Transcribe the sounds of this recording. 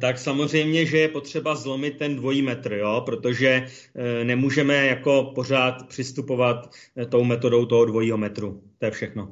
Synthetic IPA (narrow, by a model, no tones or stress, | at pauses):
t̪aksamo̞r̝ɛjmɲɛʒɛjɛpot̪r̝̥ɛbazlo̞mɪt̪̚ːɛndvo̞jiːmɛt̪r̩jo̞pɾo̞t̪o̞ʒɛ | nɛmuːʒɛmɛjako̞po̞r̝aːt̪pr̝̥ɪst̪upo̞vat̪ː | o̞wmɛt̪o̞do̞wt̪oɦodvo̞jiːɦo̞mɛt̪ɾut̪o̞jɛfʃɛxno̞